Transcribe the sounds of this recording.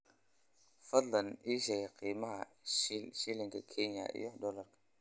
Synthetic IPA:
fɐd̪laniʃeɡeqʰiːmaha̰ | ʃiliŋkakʰeɲa̰ʔḭjɔdɔlaɾkḁ

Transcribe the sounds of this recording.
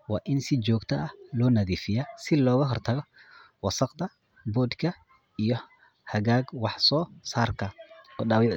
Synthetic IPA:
wɑ̰ːʔɪnsɪt͡ʃɔːɡt̪ʰɐʔɐhlɔːnɐðiːfɪjasɪlɔːɣɐɦɔrt̪ʰɐɣɔ | wɑsɑqd̪ɐ | bɔːd̪kʰɐ | ijɞ | hɐɣaːɡwɑħsɔːsaːrkʰɐɔːɗaːwj

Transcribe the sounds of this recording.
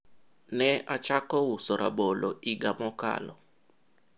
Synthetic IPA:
nɛʔat͡ʃakɔwusɔɾʔa̰boloʔiɡamɔka̰lɔ

